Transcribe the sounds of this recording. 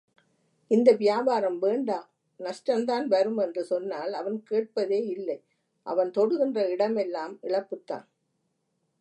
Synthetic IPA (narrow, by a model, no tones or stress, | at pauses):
ɪnd̪ɐʋɪjaːbaːɾɐmʋeːɳɖaː | nɐʂʈɾɐnd̪aːnʋɐɾɯmɛndrɯsɔnːaːlɐʋɐnkeːʈ̚pɐðeːɪlːɐɪ | ʔɐ̰ʋɐnt̪ɔɽɯɣɪndrɐɪɽɐmɛlːaːmɪɭɐpːɯt̪ːa̰ːn